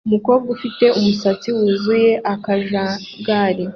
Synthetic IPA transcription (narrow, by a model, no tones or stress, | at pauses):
umuko̞ːbɡufite̞ʔumusat͡siwuzuje̞ʔakaʒa | ɡaːɾi